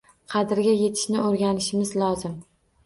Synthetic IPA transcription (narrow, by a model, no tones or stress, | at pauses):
qʰɑd̪ɪɾɡʲaje̞t̪ʰɪ̥ʃnɪoɾɡʲanɪʃɪmɪzlˠɒzɪm